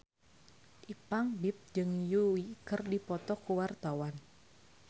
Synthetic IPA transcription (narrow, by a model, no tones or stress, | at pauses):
ʔipaŋbip̚d͡ʒɨŋjuwikɨrdipɔt̪ɔkuwart̪awan